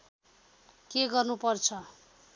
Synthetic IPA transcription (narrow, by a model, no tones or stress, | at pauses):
keɡʌrnupʌrt͡sʰʌ